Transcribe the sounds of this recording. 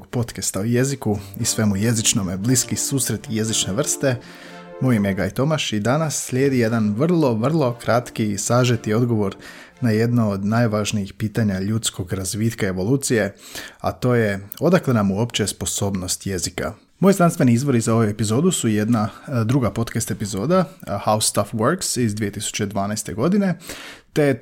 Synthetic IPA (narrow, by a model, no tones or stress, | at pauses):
oɡpo̞t̪kest̪auje̞zikuisʋe̞muje̞zit͡ʃno̞mebliskisuːsɾe̞t̪ije̞zit͡ʃne̞ʋr̩st̪e̞ | mo̞jimjeɡajt̪o̞maʃid̪anasːlʎʲeːd̪ije̞d̪anʋr̩lˠo̞ʋr̩lˠo̞kɾat̪kisaːʒet̪io̞d̪ɡo̞ʋo̞ɾ | naje̞d̪nood̪najʋaːʒnijixpiːt̪aɲaʎut̪sko̞ɡɾazʋiːt̪kae̞ʋo̞lˠuːt̪sije̞a̰t̪o̞ːje̞o̞d̪aklenamuo̞pt͡ɕespo̞so̞ːbno̞st̪je̞zika̰ | mo̞jznanst̪ʋe̞niizʋo̞ɾizao̞ʋue̞pizo̞ːd̪usuje̞d̪nad̪ɾuɡapo̞t̪kast̪e̞pizo̞ːd̪ahaust̪afʋəɾksizd̪ʋije̞t̪isu̥t͡ɕe̞d̪ʋaːnajst̪eɡo̞d̪ine̞t̪e̞